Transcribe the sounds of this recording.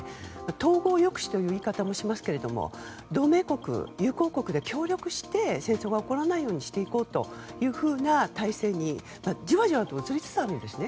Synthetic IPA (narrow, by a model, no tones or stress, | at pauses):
mat̪o̞ːɡo̞ːjo̞kɯ̟̥ɕi̥t̪o̞jɯ̟ːiːkat̪amo̞ɕimasɨ̥ke̞ɾe̞d̪o̞mo̰ | d̪o̞ːme̞ːko̞kɯ̟̰jɯ̟ːko̞ːko̞kɯ̟d̪e̞kʲo̞ːɾʲjokɯ̟ɕi̥t̪e̞sẽ̞ɰ̃so̞ːɡaoko̞ɾanaijo̞ːɲ̟iɕi̥t̪e̞iko̞ːt̪o̞jɯ̟ːɸɯ̟ːnat̪aise̞ːɲ̟i | mad͡ʑiβaʑiβat̪oːt͡sɨɾʲit͡sɨ̥t͡sɨaɾɯ̟̃nd̪e̞sɨne̞